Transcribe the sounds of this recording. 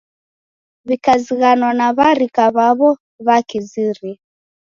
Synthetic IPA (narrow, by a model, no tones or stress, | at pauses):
βikaziɣanwanaβaɾikaβaβɔ | βakiziɾi